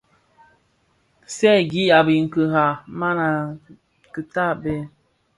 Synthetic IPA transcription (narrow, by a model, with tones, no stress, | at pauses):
sɛ˦˨ɡi˦a˨bi˨ŋ̩˨kə˨ɦa˨ma˦na˨ | kɨ˨ta˦bɛ˦